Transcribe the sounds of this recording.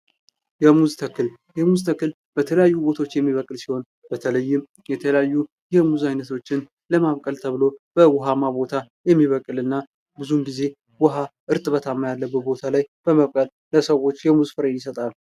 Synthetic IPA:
jɛmuzt̪ʰəkːɨl | jɛmuzt̪ʰəkːɨl | b̥ət̪ʰələjajːubo̞t̪ʰaot͡ʃːjɛmːiβəkʼɨlsi̥ho̞n | b̥ət̪ʰələjːɪm | jɛt̪ʰələjajːu | jɛmuzajnət̪ʰo̞t͡ʃːɪn | ləmaβkʼəlt̪ʰəβlo̞b̥əwʊɦamaβo̞t̪ʰajɛmːiβəkʼɨlɨnːa | bɨzunɡize̞ | wʊɦaʔɨɾt̪ʼɨβət̪ʰamːajalːəbːɨbo̞t̪ʰalajb̥əməβkʼəl | ləsəwo̞t͡ʃːjɛmuzfɨɾəjːɪsət̪ʼal

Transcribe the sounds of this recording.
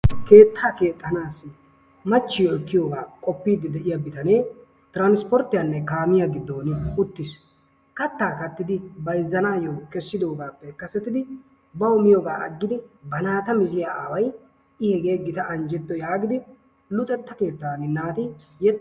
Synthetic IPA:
ke̞ːt̪ʰːaːke̞ːt̪ʼːɐnaːs | mɐt͡ʃːɪjɔɛkːɪjoːɡaːkʼɔpːiːd̪ɪd̪ɛʔɪjabɪt̪ɐne̞ː | t̪ɪɾaːnspɔɾt̪ːɪjanːɛkaːmɪjaɡɪd̪ːo̞ːnɪʊt̪ːɪs | kɐt̪ːaːkɐt̪ːɪd̪ɪbɐjzːɐnaːjokɛsːɪd̪o̞ːɡaːpːɛkɐsːɛt̪ːɪd̪ɪ | bɐwʊmɪjoːɡa̰ːɐ̰ɡːɪd̪ɪbɐnaːt̪ɐmɪzɪjaaːwɐj | ɪhɛɡe̞ːɡɪt̪ɐʔɐnd͡ʒɛt̪ːɔjaːɡɪd̪ɪ | lʊt̪ʼːɛt̪ːɐke̞ːt̪ːanɪnaːt̪ɪ | jɛ

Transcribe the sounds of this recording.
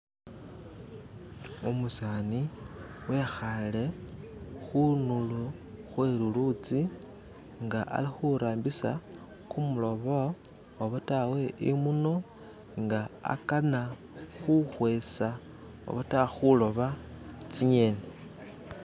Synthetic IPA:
umusaniwe̞xale̞ | xunulu | xwe̞ɾulut͡si | ŋɡaʔa̰lixuɾaːmbisa | kumulo̞βo | oβotawe̞imuno̞ | ŋɡaa̰kana | xuxwe̞sa | o̰βotaxulo̞βat͡siɲe̞ne

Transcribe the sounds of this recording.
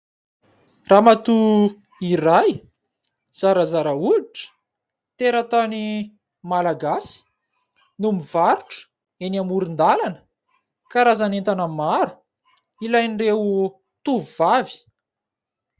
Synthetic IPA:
ramat̪u | iɾaj | z̥aɾəzaɾəuiʈ͡ʂə̥ | t̪eɾət̪ani | malaɡasi̥ | numivaɾuʈ͡ʂə̥ | enamuɾind̪alanə̥ | kaɾazanent̪anəmaɾu̥ | ilajnrewu | t̪uvuvavi̥

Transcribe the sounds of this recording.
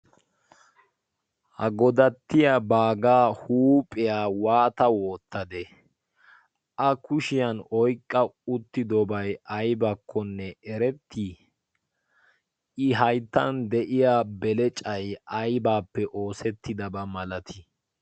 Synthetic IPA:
hɐɡɔd̪ɐt̪ːɪjabaːɡaːhuːpʼɪjaːwaːt̪ɐwɔːt̪ːɐd̪ɛ | ʔɐkʊʃɪjɐnɔjkʼːɐʊt̪ːɪd̪ɔbɐjʔɐjbɐkʰːɔnːɛɛɾɛt̪ʰːiː | ʔɪɦɐjt̪ːɐnd̪ɛʔɪjaːbɛlɛt͡ʃʼɐjʔɐjbaːpːɛʔo̞ːsɛt̪ːɪd̪ɐbɐmɐlɐt̪ʰɪ

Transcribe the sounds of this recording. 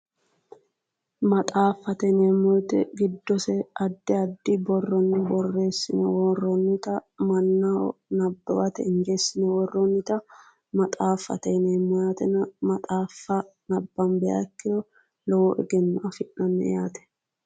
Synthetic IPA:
mɐt̪ʼaːfːɐt̪ɛneːmɔjt̪ɛɡɪd̪ːɔsɛɐd̪ːɪɐd̪ːɪbɔrːɔnːɪbɔrːe̞ːsːɪnɛwɔːrːɔnːɪt̪ɐmɐnːɐ̰nɐbːɐbɐt̪ɛ̰ɪnd͡ʒe̞ːsːɪnɛwɔrːɔnːɪt̪ɐ | mɐt̪ʼaːfːɐ̰t̪ɛneːmːɔjaːt̪ɛnɐmɐt̪ʼaːfːɐnɐbːɐnbɛa̰kːɪd̪ɔ | lɔwɔʔɛɡɛnːɐʔɐfɪʔːɐnːɛ̰jaːt̪ɛ̥

